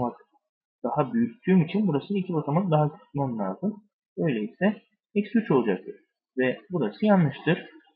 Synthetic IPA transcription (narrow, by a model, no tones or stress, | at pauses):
mak̚ | d̪̥aɦabyjyc̚ʲt̪ʰyːmit͡ʃʰinbuɾasɯd̪aicʰibat̪ʰamak̚d̪aɦakʰy̥t̪mamlʲaːzɯm | ø̞jlʲɛisɛ | pɛcsyt͡ʃʰo̞lˠud͡ʒak̚t̪ʰɯɾ̥ | vɛbuɾasɯjanːɯʃt̪ʰɯɾ̥